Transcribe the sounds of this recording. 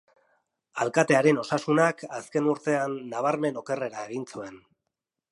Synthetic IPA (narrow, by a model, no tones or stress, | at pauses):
alkat̪e̞aɾe̞no̞sasunakaske̞nuɾt̪e̞anːaβ̞aɾme̞no̞ke̞re̞ɾaeɣint͡sue̞n